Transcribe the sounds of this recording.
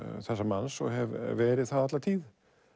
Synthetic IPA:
θɛsːamansɔ̰ɦɛvːɛːɾɪðθaðat̪laɾt̪ʰiːð

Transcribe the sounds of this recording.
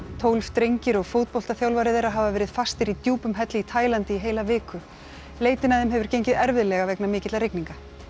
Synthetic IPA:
t̪ʰowlft̪ɾejɲcɪɾɔɣfowt̪̚powl̥t̪aθjawlvaɾɪðejɾaɦaːvavɛːɾɪð̥fast̪ɪɾit̪juːpʏmɦɛt̪lɪit̪ʰaːjlant̪ɪiɦeːjlavɪːkʏ | leːjt̪ɪnaðɪmɦɛvʏɾ̥cejɲcɪðɛɾvɪðlɛɣavɛknamɪːcɪt̪aɾɪkniŋka

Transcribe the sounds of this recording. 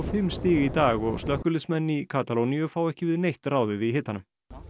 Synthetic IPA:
fɪmːst̪ɪːɣɪit̪aːɣɔɣst̪lœhkʏlɪðsmɛnːikʰat̪alowniʏfawɛhcɪvɪðnejht̪raːwðɪvɪðɦɪt̪ːanːʏm

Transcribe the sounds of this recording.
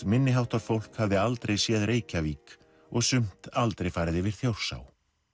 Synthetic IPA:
mɪnːɪɦawht̪aɾ̥fowl̥khavðɪalt̪ɾejsjɛðɾeːjcaviːk | ɔɣsʏm̥t̪alt̪ɾejfaːɾɪðɪvɪɾ̥θjowɾ̥sa̰ːw

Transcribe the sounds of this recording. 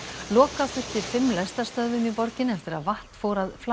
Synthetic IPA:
lɔːkafʏ̥t̪ɪ̥fɪmːlɛst̪aɾst̪œðvʏmipɔɾcɪnɛft̪ɪɾa̰ðvaht̪fowɾaðfl

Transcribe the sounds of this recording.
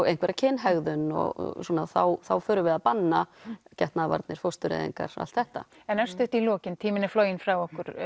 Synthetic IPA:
ejŋ̥kvɛɾacʰɪnːɦɛɣðʏnɔ̰ɣ̰suːnaðθawθawfœːɾʏvɛðapanːacɛht̪naðva̰ɾt̪nɪɾ̥fowst̪ʏɾɛ̰ðḭŋka̰ɾ̥a̰l̥t̪θɛht̪a̰ | ɛnœɾ̥st̪ʏht̪ilɔːcɪnt̪ʰiːmɪnɪfloːwjɪnfɾawɔhkʏɾ̥

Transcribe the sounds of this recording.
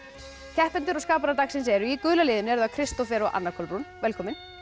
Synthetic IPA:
cʰɛhp̪ɛnt̪ɪɾɔskaːp̬aɾaɾt̪axsɛnsɛɾʏikʏːlalɪːðɪnɪɛɾðakʰɾɪst̪ɔfjɛɾɔɣʔa̰nːakʰɔlpɾunvɛlkʰɔːmɪn

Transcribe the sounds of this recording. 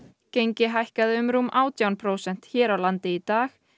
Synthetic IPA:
cejɲcɪɦajhkaðɪʏmɾuːmʔaːwt̪ʰjawnpʰɾoːwsɛn̥t̪çɛːɾawlant̪ɪit̪aːx

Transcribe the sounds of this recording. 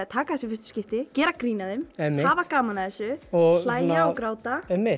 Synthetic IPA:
t̪ʰaːkaθɛsɪfɪst̪ʏ̥scɪft̪ɪcɛːɾakɾiːnaðemɛmɪhhaːvakaːmanaðɛsʏɔɣflaːjnaawkɾaːwt̪aɛmːɪ

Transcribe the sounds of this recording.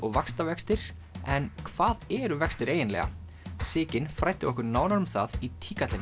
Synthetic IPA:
ɔɣvakst̪avɛkst̪ɪɾ̥ | ɛnkʰv̥aːðɛɾʏvɛkst̪ɪɾeːjɪnlɛ̰ɣa̰ | sɪːcɪnfɾajht̪ɪɔhkʏɾnaːwnaɾʏmθaðit̪ʰiːkat̪lɪn

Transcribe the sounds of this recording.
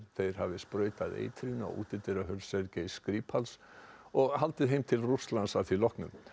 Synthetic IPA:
θejɾ̥havɪspɾœːɥt̪aðḛːjt̪ʰɾina̰ṵːt̪ɪt̪ɪɾaɦœlsɛɾcaiskɾiːpʰhalsɔɣɦalt̪ɪðɦejmt̪ʰɪlruslansaðθvilɔhknʏ̰m

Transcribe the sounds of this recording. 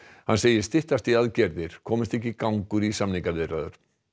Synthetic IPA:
hanseːjɪɾ̥st̪ɪht̪ast̪iaðcɛɾðɪɾ̥kʰɔːmɪst̪ɛhcːikawŋkʏɾisamniŋkavɪðraðʏ̰ɾ̥

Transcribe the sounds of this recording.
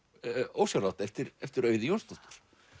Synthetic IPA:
oːwsjawɾrawt̪ɛft̪ɪɾɛft̪ɪɾœːɥðɪjownst̪ɔht̪ʏ̥ɾ̥

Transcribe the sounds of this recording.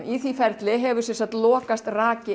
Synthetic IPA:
iθifɛɾt̪lɪɦɛvʏɾsɛnsat̪lɔːkast̪raːcɪ

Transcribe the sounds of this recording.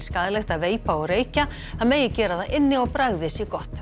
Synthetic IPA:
skaːðlɛxt̪aðveːjpaɔɣreːjca | θaðmeːjɪcɛːɾaðaʔɪnːɪɔɣpɾaɣðɪsɛkɔht̪

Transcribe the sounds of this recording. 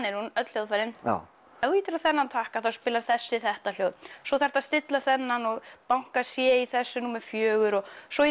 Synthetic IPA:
nɪɾhunœt̪l̥joðfajɾɪn | ɛiːt̪ɪɾaðθɛnːant̪ʰahkaðθawspɪːlaɾ̥θɛsːɪθɛht̪al̥jowðsɔθɛɾ̥t̪aðst̪ɪt̪laθɛnːanɔɣpawŋ̥kasjɛiθɛsːʏnuːmɛfjœːɣʏɾɔɣsɔi

